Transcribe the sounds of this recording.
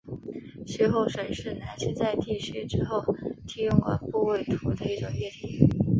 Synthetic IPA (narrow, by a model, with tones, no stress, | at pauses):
ʂe˥˧xo˥˩ʊʂə˨˩nʂɻ̩˥˩na˧˥t͡ɕʰy˥˧t͡sa˥˧ɪt̪i˥˩ʂɛ˧˥ʈ͡ʂɻ̩˥xo˥˩ʊt̪ʰi˥ʊ˥˧ŋkwa̰˩npu˥˧we˥˩ɪt̪ʰu˧˥d̪ə˧i˥˩ʈ͡ʂʊ˨˩ŋɥɛ˥˩t̪ʰi˧˩˥